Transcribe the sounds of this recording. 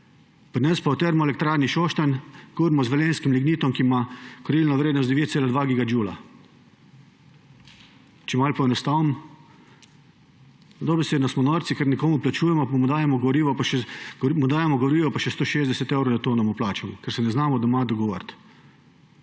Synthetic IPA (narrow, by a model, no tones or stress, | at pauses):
pɾnɛspaɔt̪ɛɾmɔɛlɛk̚t̪ɾaːɾniʃoʃt̪ankuɡɾmɔzʋɛlenskimliɡniːt̪ɔmkimakɔɾilnɔʋɾeːd̪nɔsd̪ɛʋeːt̪seːlad̪ʋaɡiːɡad͡ʒuːla̰ | t͡ʃɛmaːlpɔɛnɔst̪aːwm | d̪obɛseːd̪nɔsmɔnɔɾt̪sikɛɾnikoːmuplat͡ʃuːjɛmɔpamud̪aːjɛmɔɡʋɾiːʋɔpaʃɛɡmud̪aːjɛmɔɡɔɾiːʋɔpaʃɛst̪oːʃezd̪ɛsɛt̪ɛwɾod̪at̪oːnɔmuplaːt͡ʃɛmɔkɛɾsɛnɛznaːmɔd̪ɐmad̪ɔɡɔʋɔ̰ɾt̪